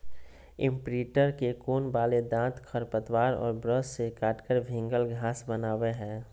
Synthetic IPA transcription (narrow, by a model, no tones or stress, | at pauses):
ɪ̃mpɾiːʈəɾkekoːnbaːled̪ãːt̪kʰəɾpət̪waːɾɔ̰ːɾbɾəssekaːʈkəɾbʱɪ̃ŋɡəlɡʱãːsbənaːweɦɛ̃ː